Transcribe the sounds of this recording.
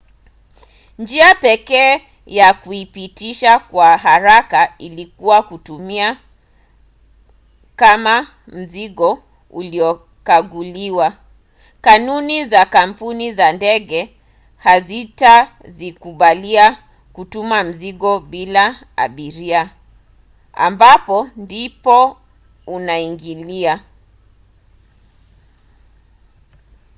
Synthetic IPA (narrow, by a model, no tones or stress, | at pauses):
nd͡ʒiapɛkɛː | jakuipitiʃakwaɦaɾakailikuwakutumia | kama | m̩ziɠɔ | uliɔ | kaɠuliwa | kanunizakam̩punizandɛɠɛ | hazita | zikuɓalia | kutumam̩ziɠɔɓila | a̰ɓiɾia | a̰mbapɔndipɔ | unaiŋɡilia